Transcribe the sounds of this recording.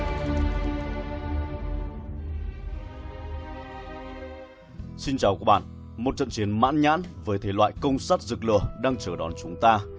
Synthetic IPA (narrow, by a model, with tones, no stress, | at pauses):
si˧nt͡ɕaː˨˩wka˨˦˥ɓa̰ː˧˨n | mo˨˩t̚t͡ɕə̰˧˨nt͡ɕi˨˦ənma̰ː˧˥nɲa̰ː˧˥nvəː˨˦jt̪ʰe˨˦lwa̰ː˧˨jkə˧wŋ͡msaː˦˥t̚zɨ˨˩k̚lɨ̰˧˩əɗaː˧ŋt͡ɕəː˧˩ɗɔ˨˦nt͡ɕʊ˨˦ŋ͡mt̪aː˧